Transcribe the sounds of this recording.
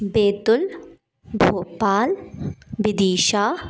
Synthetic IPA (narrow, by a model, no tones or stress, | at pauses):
beːt̪ʊl | bʱoːpaːlbid̪iːʃaː